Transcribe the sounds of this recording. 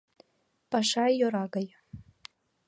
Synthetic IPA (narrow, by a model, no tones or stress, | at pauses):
paʂajjoɾaɡaj